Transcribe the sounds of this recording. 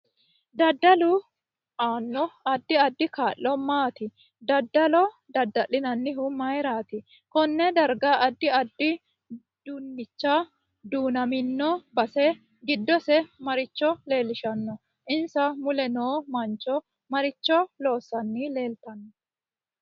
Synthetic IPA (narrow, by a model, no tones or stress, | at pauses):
d̪ɐd̪ːɐlʊ | ʔaːnːɔɐd̪ːɪɐd̪ːɪkaːʔːɔmaːt̪ɪ | d̪ɐd̪ːɐlɔ | d̪ɐd̪ːɐlːɪnɐnːɪɦʊmɐjɾaːt̪ɪ | kɔnːɛd̪ɐɾɡɐʔɐd̪ːɪɐd̪ːɪ | d̪̥ʊnːɪt͡ʃːɐ | d̪uːnɐmɪnːɔbɐsɛ | ɡɪd̪ːɔsɛmɐɾɪt͡ʃːɔle̞ːlɪʃɐnːɔ | ʔɪnsɐmʊlɛnoːmɐnt͡ʃːɔ | mɐɾɪt͡ʃːɔlo̞ːsːɐnːɪle̞ːlt̪ɐnːɔ